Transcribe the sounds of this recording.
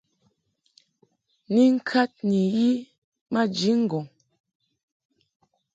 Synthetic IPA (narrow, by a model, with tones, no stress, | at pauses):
ni˦ŋ̩˦kʰa˦t̚ni˨ji˦ | ma˦d͡ʒi˨˦ŋ̩˦˨ɡɔ˨ŋ